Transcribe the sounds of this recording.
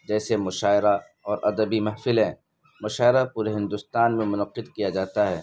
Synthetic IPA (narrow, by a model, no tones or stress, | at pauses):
d͡ʒɛːsemʊʃaːɪɾa | ɔːɾʔɐd̪əbimɐɦfɪlɦɛ̃ː | mʊʃaːɪɾapuːɾeɦɪ̃nd̪ʊst̪aːnmẽmʊnəqːɪd̪kijad͡ʒaːt̪aɦɛː